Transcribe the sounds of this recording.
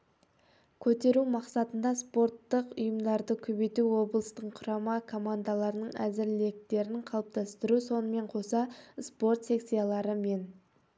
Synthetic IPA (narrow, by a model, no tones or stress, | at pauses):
kʲʰɵt̪e̞ɾumɑqsɑt̪ənd̪ɑspo̞rt̪ːəqʊjəmd̪ɑɾd̪əkʲʰɵbe̞t̪uwo̞blˠəst̪əɴqʰʊɾɑmɑkʰo̞mand̪alˠɑɾənəɴæzɪɾle̞k̚t̪e̞ɾɪŋqʰɑlˠəp̚t̪ɑst̪əɾuso̞nəme̞ɴqʰo̞sɑspo̞rt̪se̞ksʲijalˠɑɾəme̞n